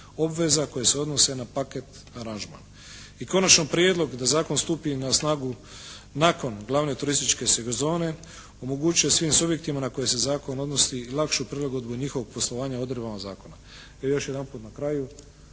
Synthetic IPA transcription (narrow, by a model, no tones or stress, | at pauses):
o̞bʋe̞zako̞jeseo̞d̪no̞se̞napaket̪ | aɾanʒma̰n | iko̞nat͡ʃnopɾjed̪lˠo̞ɡd̪azaːko̞nst̪uːpinasnaːɡu | nako̞nɡlˠaʋne̞t̪uɾist̪it͡ʃke̞seɡozo̞ːne̞ | o̞mo̞ɡut͡ʃujesʋiːmsubje̞k̚t̪imanako̞jese̞zaːko̞no̞d̪no̞silˠakʃupɾeloɡod̪buɲixoʋo̞ɡ̚po̞slˠo̞ʋaːɲao̞d̪ɾebamazaːko̞na | ejo̞ʃje̞d̪anpuːt̪nakɾaju